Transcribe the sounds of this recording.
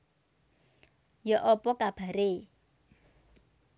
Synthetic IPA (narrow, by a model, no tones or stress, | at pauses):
jɔʔɔpɔkab̥a̤ɾe